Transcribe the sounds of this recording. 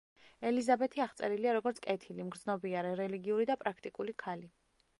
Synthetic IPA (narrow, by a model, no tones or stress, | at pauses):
ɛlizabɛt̪ʰiaχt̪sʼɛɾiliaɾɔɡɔɾt̪sʰkʼɛt̪ʰilimɡɾd̪znɔbiaɾɛɾɛliɡiuɾid̪apʼɾʔakʰt̪ʼikʼulikʰali